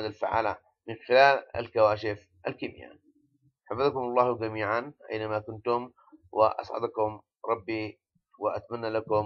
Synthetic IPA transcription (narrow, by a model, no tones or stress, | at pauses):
ad̪alfaʕa̰ːla | mɪnxɪlaːla̰lkawaːʃɪf | ʔalkiːmja̰ | ħafaðkʊmɑlˤːɑːhd͡ʒamiːʕanʔa̰jnamakʊnt̪ʊm | wʔɪ̰ʔɑ̰sˤʕɑ̰d̪kʊm | ɾˤɑbːi | wɪʔat̪amanːalakʊm